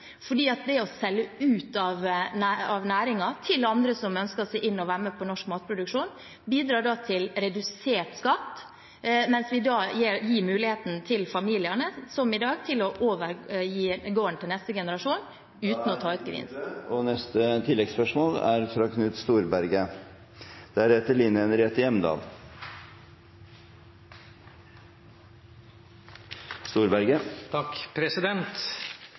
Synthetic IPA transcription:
fɔɖiːɑt̪̚d̪ɛɔsɛlːəʉːt̪ɑʋnæɑʋnæːɾɪŋɑt̪ʰɪlɑnd̪ɾəsɔmœnskəsɛʔɪnːɔʋæːɾməpʰɔnɔʂkmɑːt̪̚pʰɾʊd̪ʉkʂuːn | biːd̪ɾɑːɖɑt̪ʰɪlɾɛd̪ʉseːʈskɑt̪ː | mɛnsʋɪd̪ɑːjeːɾjiːmʉːlɪheːt̪n̩t̪ʰɪlfɑmiːlɪəɳəsɔmɪd̪ɑːɡt̪ʰɪlɔʔoːʋəɾjiːɡoːənət̪ɪlɛst̪əɡɛnəɾɑʂuːn | ʉːt̪n̩ɔt̪ʰɑːʉt̪ɡɾɪ̰ːnsɔnɛst̪ət̪ʰɪlːɛɡspœʂmoːlæɾfɾɑkʰnʉt̪st̪uːɾbæɾɡə | d̪̥æɾheːt̪əɭiːnənɾɛːt̪əjɛmnd̪ɑ̰ːl | st̪uːɾbæɾɡət̪ʰɑkpʰɾɛsɪd̪ɛnt̪

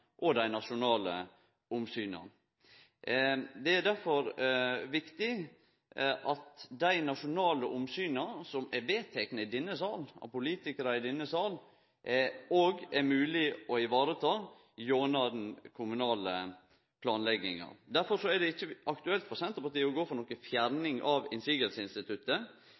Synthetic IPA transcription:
ʔɔd̪æɪnɑʂʊnɑːlə̰ | ʊmsyːnɑ̰ | d̪ɛæd̪æɾfɔɾʋɪkt̪ɪ | ʔɑt̪d̪æɪnɑʂʊnɑːləʔʊmsyːnɑsɔmæɾʋeːt̪ʰɛknəɪd̪ɪnːəsɑːlɑ̰pʊliːt̪ɪkəɾɑɪd̪ɪnːəsɑːl | ʔɛoːɡɛɾmʉːlɪɔɪʋɑːɾət̪ʰɑː | joːnɑd̪nkʰʊmʉnɑːlə̰ | pʰlɑːnlɛɡɪ̰ŋɑ̰d̪æɾfɔɾsɔæɖɛɪçːəɑkt̪ʉɛlt̪fɔɾsɛnt̪ɾəpɑʈ̪iːəɔɡoːfɔɾnɔkːəfjæɾnɪŋʔɑʋɪ̰nsiːɡəlsəɪnst̪ɪt̪ʰʉt̪ːə

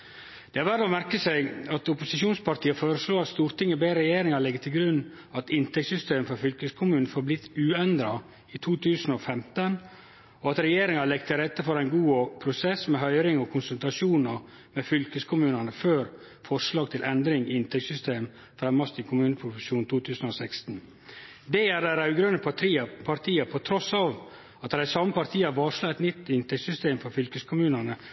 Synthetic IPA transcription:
d̪̥ɛæɾʋæɖ̪ɔmæɾkəsæɪɡɑt̪ʊpʊsɪʃuːnspʰɑɾt̪ʰiːəfoːɾəsloːɑt̪st̪uːɾt̪ʰɪŋːəbeːɾɛjeːɾɪŋɑɭɛɡːət̪ʰɪlɡɾʉnː | ɑt̪ɪnt̪ʰɛksʏst̪eːmfɔfʏlkəskʰʊmʉːnnfoːɾblɪt̪ːʉːɛnd̪ɾɑ | it̪ʰuːt̪ʰʉːsn̩ɔfɛmt̪ən | ɔɑt̪ɾɛjeːɾɪŋɑlɛɡt̪ʰɪɾɛt̪ːəfɔɾæɪnɡuːpʰɾʊsɛsmɛɦœʏɾɪŋɔkʰʊnsʉlt̪ɾɑʂuːnɑ | mɛfʏlkəskʰʊmʉːnənəføːɾ | fɔʂlɑːɡ̚t̪ʰɪlʔɛnd̪ɾɪŋɪɪnt̪ʰɛksʏst̪eːm | fɾɛmːɑst̪ɪkʰʊmʉːnəpʰɾʊfəʃuːnt̪ʰuːt̪ʰʉːsnɔsɛkst̪n | d̪ɛæɖɛɪɾɑʉɡɾønəpʰipʰɑɾt̪ʰiːɑpʰɔt̪ʰɾɔsɑːʋ | ɑt̪dɛɪsɑmːəpɑɾt̪ʰiːɑʋɑːʂlɑːɛt̪nʏt̪ːɪnt̪ʰɛksʏst̪eːmfɔɾfʏlkəskʰʊmʉːnənə

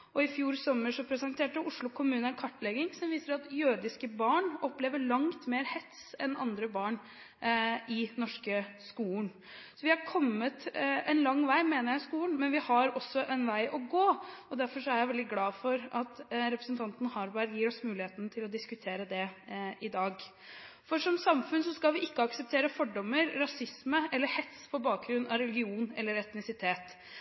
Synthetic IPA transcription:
ʔɔɪfjuːɾsɔmːəʂɔpʰɾɛsɑnt̪ʰeːʈəʔʊʂlʊkʰʊmʉːnəænkʰɑʈːlɛɡɪŋsɔmʋiːsəɾɑt̪jøːd̪ɪskəbɑːɳʔɔpleːʋəɭɑŋt̪meːɾhɛt̪sɛnɑ̰nd̪ɾəbɑːɳ | ɪnɔʂkəskuːn | sɔʋɪhɑɾkʰɔmːət̪ɛnlɑŋːʋæɪmeːnəɾjæɪɪskuːlnmɛnʋɪhɑɾɔsːɔʔɛnʋæɪʔɔɡoːɔd̪æɾfɔʂɔæɾjæɪʋɛld̪ɪɡlɑːfɔɾʔɑt̪ɾɛpɾəsənt̪ʰɑnt̪n̩hɑːɾbæɾjiːɾɔsmʉːlɪeːt̪nt̪ʰɪlɔd̪ɪskʉt̪ʰeːɾəd̪ɛʔɪd̪ɑːɡ | fɔʂɔmsɑmfʉnsɔskɑlʋɪʔɪkːəɑksəp̚t̪ʰeːɾəfɔɖɔmːəɾɾɑsɪsməʔɛlːəɾhɛt̪spʰɔbɑːk̚ɡɾʉnːɑɾɛlɪɡɪuːnɛ̰lːəɾɛt̪nɪsɪt̪ʰeːt̪

